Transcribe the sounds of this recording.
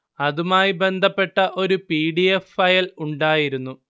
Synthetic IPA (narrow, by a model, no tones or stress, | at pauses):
ɐðumaːjibe̞nd̪ʱɐpːe̞ʈːɐʔo̞ɾupiːɽiefːɐjɐluɳɖaːjiɾunːu